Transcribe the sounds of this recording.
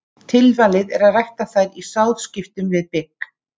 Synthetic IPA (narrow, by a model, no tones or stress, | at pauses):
t̪ʰɪlvaːlɪðɛɾaðrajht̪aθajɾisawðscɪft̪ʏmvɪðpɪkː